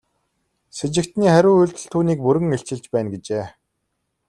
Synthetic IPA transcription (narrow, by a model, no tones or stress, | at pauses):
set͡ɕɪ̆kt̪niːχæɾʲʊːuɮʲt̪ɵ̆ɮt̪ʰːuːniːk̚pɵɾɘ̆ŋeɬt͡ɕɪ̆ɮt͡ɕpæːnɡet͡ɕeː